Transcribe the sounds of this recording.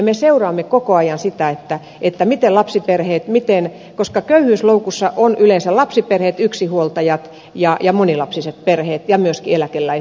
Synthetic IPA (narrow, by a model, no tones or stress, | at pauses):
meseurɑːmːekokoɑjɑnsit̪æet̪ːæ | et̪ːæmit̪elɑpsiperheːt̪mit̪en | koskɑkøyhyːsloukusːɑʔonʔylensælɑpsiperheːt̪yksihuolt̪ɑjɑt̪ | jɑjɑmonilɑpsiset̪̚perheːt̪jɑmyøskielækelːæi